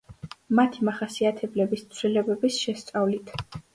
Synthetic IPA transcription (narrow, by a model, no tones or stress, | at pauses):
mat̪ʰimaχasiat̪ʰɛblɛbist̪sʰvlilɛbɛbisʃɛst̪sʼavlit̪ʰ